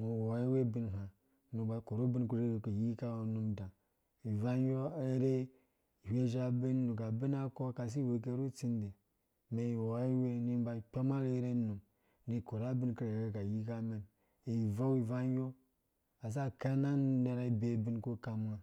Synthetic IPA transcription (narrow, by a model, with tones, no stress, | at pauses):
mo˨wo˨e˦we˦bi˦n˨ɦa˨ | nu˨ba˨ko˨ɾu˦bi˦nku˦ɾe˦e˨ku˨ji˦ka˦˨nu˦mda˨ | i˨va˦jo˦e˦ɾe˦˨ | he˦ʒa˦be˦n˦nu˨ka˨bi˦na˦ko˦ka˨s̬i˦we˨k̬e˦ɾu˦t͡si˦nde˨ | me˨i˨wo˨e˦we˦ni˦ba˨k͡pʲa˦ma˦ɾe˦ɾe˦nu˨m | ni˨ko˨ɾa˦bi˦nki˦e˨ɡe˦ka˨ji˦ka˦me˨n | e˨va˦wi˨va˦n˦jo˦ | a˨s̬a˦ka˦na˦n˨ne˨ɾa˦i˨be˨bi˦nku˦ka˨ma˨